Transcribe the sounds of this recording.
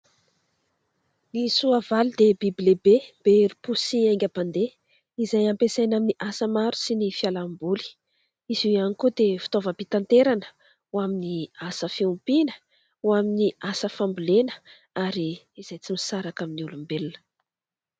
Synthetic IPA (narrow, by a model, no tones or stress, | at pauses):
nisuavalid̪ebibilebeb̥eeɾipusiajŋɡʲaband̪e | izajampesajnaminiʔasəmaɾu̥sinifialambuli̥ | izuanikud̪efi̥t̪ovəpit̪ant̪eɾanə | waminiasəfiumpinə̥ | waminiasəfambulenə̥ | aɾiː | z̥ajt͡simisaɾakaminiulumbelunə̥